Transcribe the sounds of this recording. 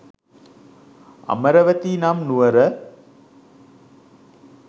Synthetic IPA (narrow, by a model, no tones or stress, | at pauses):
ɐ̰mɐɾɐʋɐt̪iːnamnuʋɐɾə